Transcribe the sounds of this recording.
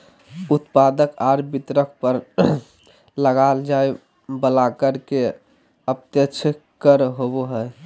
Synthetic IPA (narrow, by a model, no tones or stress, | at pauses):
ut̪pad̪əkaɾbit̪ɾək̚ʰpəɾ | ləɡald͡ʒae | bəlakəɾke | əp̚t̪jət͡ʃʰkəɾɦoboɦəj